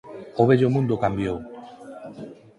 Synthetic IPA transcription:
oβeʎomũnd̪okambjow

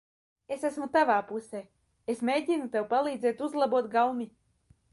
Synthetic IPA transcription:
esæsmut̪avaːpuseː | esmʲejɟʲinut̪ewpalˠiːd̪zeːt̪uzlˠabuɔt̪ɡalmi

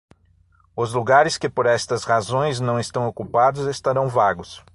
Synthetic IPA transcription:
ʊzluɡaɾɪskɪpoɾɛst̪ɐzhazõj̃znɐ̃w̃est̪ɐ̃w̃okupad̪ʊzest̪aɾɐ̃w̃vaɡʊs

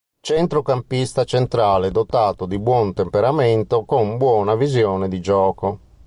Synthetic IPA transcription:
t͡ʃɛnt̪ɾokampist̪at͡ʃent̪ɾaːled̪ot̪aːt̪od̪ibwɔnt̪empeɾament̪okombwɔːnavizjɔːned̪id͡ʒɔːko

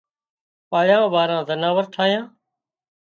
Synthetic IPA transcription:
paːɭjãːʋaːɾãːzənaːʋəɾʈʰaːɦjãː

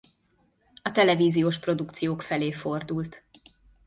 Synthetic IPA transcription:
ɒt̪ɛlɛviːzijoːʃpro̞d̪ukt̪sijoːkfɛleːfo̞rd̪ult̪

